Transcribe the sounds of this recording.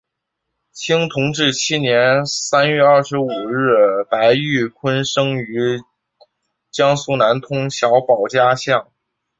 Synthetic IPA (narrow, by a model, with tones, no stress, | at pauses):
t͡ɕʰi˥ŋt̪ʰʊ˧˥ŋʈ͡ʂɻ̩˥˩t͡ɕʰi˥njɛ˧˥nsa˥nɥɛ˥˧ɐ˞˥˩ʂɻ̩˧˥u˨˩ɻɻ̩˥˩pa˧˥ɪy˥˩kʰwə˥nʂɤ˥ŋy˧˥ | t͡ɕjɑ˥ŋsu˥˩na˧˥nt̪ʰʊ˥ŋɕjɑ˧˥ʊpɑ˨˩ʊt͡ɕja˥ɕjɑ˥˩ŋ